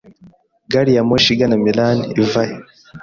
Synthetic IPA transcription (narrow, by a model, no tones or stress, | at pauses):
ɡaɾijamoʃiɡanamilaniivaje